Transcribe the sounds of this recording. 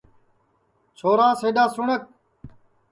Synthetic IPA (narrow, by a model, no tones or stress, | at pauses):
t͡ʃʰoːɾãːseːɖ̪aːsʊɳək̚